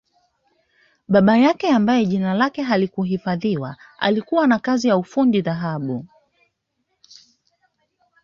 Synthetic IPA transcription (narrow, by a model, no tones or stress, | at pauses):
ɓaɓajakɛambajɛʄinalakɛɦalikuɦifaðiwa̰ | a̰likuwanakazijaufundiðaɦaɓu